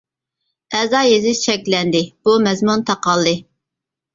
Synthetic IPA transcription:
ɛzɑːjezɪt͡ʃʰɛkʲlɛnd̪ɪb̥umɛzmunt̪ʰɑqɑlˠd̪ɨ

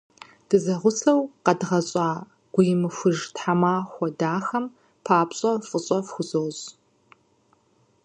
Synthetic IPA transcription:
d̥ɨzɐʁʷʊsɐwqɐdʁɐɕʼɑː | ɡʷʊjɪmɨxʷʊʒtħamaːxʷɔdaːxɐm | pʰaːpɕʼɐfʼɨɕʼɐfxʷʊzowz

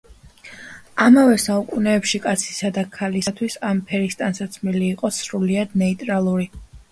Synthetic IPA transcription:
amavɛsaukʼunɛːpʃikʼat̪sʰi̥sad̪akʰalisat̪ʰwisampʰɛɾist̪ʼansat̪sʰmiliːqʼɔsɾuliad̪nɛit̪ʼɾalˠuɾi

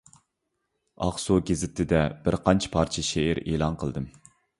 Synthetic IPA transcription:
ɑ̰χsuɡʲezɪt̪ʰɪd̪ɛb̥ɪɾqʰɑnt͡ʃʰɪ̥pʰɑɾt͡ʃʰɪʃeɪɾeːlˠɑnqʰəlˠd̪ɨm

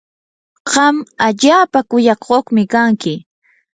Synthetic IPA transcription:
ɢ̥ɑmaʎaːpakʊjɑkoχmɪkaŋkɪ

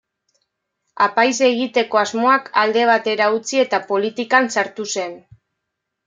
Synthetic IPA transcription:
apajs̬e̞ɣit̪e̞ko̞azmo̞akald̪e̞β̞at̪e̞ɾaut͡sie̞t̪apo̞lit̪ikansaɾt̪use̞n

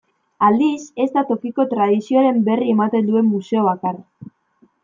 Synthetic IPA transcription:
ald̪ise̞zd̪at̪o̞kiko̞t̪ɾaðisio̞aɾe̞mbe̞rie̞mat̪e̞nd̪ue̞mːuse̞oβ̞akar

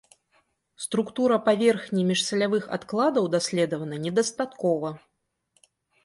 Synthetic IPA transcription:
st̪ɾukt̪uɾɐpavʲɛrxnʲimʲiʂsʲɐlʲavɨxa̰t̪klˠad̪ɐwd̪asʲlʲɛd̪ɐvɐnɐnʲɛd̪ɐst̪at̪kɔvɐ

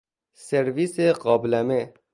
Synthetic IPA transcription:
seɾʋiseqɔːblame

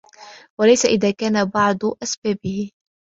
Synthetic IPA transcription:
walajsaʔɪðaːkaːnabɑʕd̪ˤʔasbaːbɪhɪ

